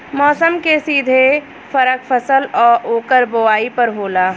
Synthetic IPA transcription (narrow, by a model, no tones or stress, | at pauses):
mɔːsəmkesiːd̪ʱe | fɐɾəkfʰəsəlɔːɾʔoːkəɾboaːipɐɾɦoːlaː